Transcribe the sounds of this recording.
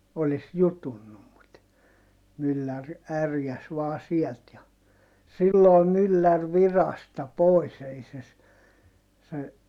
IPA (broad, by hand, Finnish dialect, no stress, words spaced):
olis jutunːum mut mylːær ærjæs ʋɑː siɛlt jɑ silːoː mylːær ʋirɑstɑ poˑis ei se s se